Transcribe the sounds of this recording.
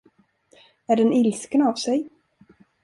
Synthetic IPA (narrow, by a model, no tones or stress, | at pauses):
æɖɛnɪlskənavsɛj